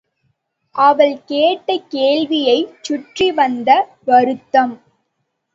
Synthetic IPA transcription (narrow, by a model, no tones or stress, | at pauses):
ʔɐʋɐɭkeːʈːɐkːeːɭʋɪjɐɪt͡ʃːʊʈriʋɐnd̪ɐ | ʋɐɾɯt̪ːɐm